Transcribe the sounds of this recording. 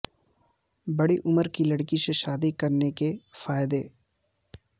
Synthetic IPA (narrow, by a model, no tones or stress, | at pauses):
bɐɽiʔʊməɾkilɐɽkiseʃaːd̪ikɐɾnekefaːjɪd̪eː